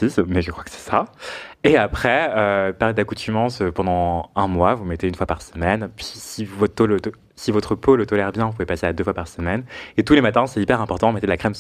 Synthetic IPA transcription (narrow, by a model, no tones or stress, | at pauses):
ismɛʒəkχwakə̥sɛ̥saeapχɛøpaʁled̪akut̪ʰymɑ̃søpɑ̃d̪ɑ̃ɛ̃mwavumet̪eynfwapaʁsəmɛnpɥisivɔt̪olət̪ | sivɔt̪χəpolət̪ɔlɛʁbjɛ̃vup̬uvepasead̪øfwapaʁsəmɛnet̪ulemat̪ɛ̃sɛt̪ipɛʁɛ̃pɔʁt̪ɑ̃mɛt̪ed̪əlakχɛm